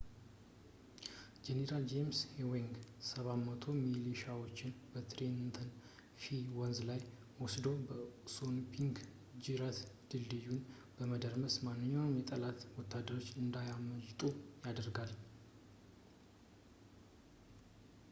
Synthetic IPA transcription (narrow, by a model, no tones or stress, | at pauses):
d͡ʒeneɾald͡ʒemshewiŋɡsəβamət̪ʰo̞miliʃawo̞t͡ʃːɪnbət̪ɾent̪ʰən | fiwɔnzlaj | wɔsd̪o̞bəsonpʰiŋɡ | d͡ʒiɾat̪d̪̥ɨlːɨjun | b̥əməd̪əɾməsmanːɨɲːawnjɛt̪ʼəlat̪wɔt̪ʰːad̪ːəɾo̞t͡ʃːɨnd̪ajaməd͡ʒt̪ʼujad̪əɾɡal